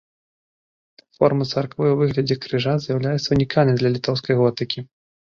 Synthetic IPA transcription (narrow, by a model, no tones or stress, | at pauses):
fɔrmɐt̪sɐrkvɨwvɨɣlʲɐd͡zʲɛkɾɨʐazʲjawlʲajɛt̪sːɐunʲikʰalʲnɨmʲd̪lʲɐlʲit̪ɔws̬kɐjɣɔt̪ɨkʲi